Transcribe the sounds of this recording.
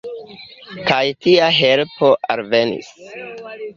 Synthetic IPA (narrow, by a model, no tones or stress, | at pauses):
kajtiaɦelpo̞ʔalve̞nḭs